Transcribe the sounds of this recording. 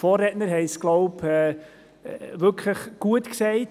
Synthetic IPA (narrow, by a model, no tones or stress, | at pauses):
fɔːrːɛtnəɾhɛɪsɡ̥lɔʊpɛ | ʋʏɾkʰləχɡ̥uətksɛɪt